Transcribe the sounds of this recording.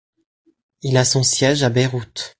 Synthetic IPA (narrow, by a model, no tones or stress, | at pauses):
ilasɔ̃sjɛʒabeʁut̪